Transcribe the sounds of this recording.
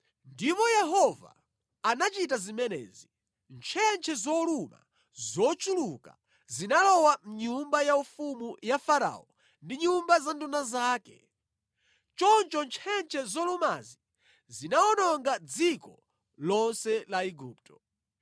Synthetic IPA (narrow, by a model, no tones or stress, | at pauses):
ndipɔjɛɦɔva̰ː | nat͡ʃitazimɛnɛ̰ːzi | nt͡ʃʰɛnt͡ʃʰɛzɔluma̰ | zɔt͡ʃuluka̰ | zinalɔwam̩ɲumbajaufumujafaɾa̰ɔ | ndiɲumbazandunazaːkɛ̰ | t͡ʃɔnt͡ʃɔnt͡ʃʰɛnt͡ʃʰɛzɔluma̰zi | zinaɔnɔŋɡad͡zikɔ | lɔnsɛlaiɡuːp̚tɔ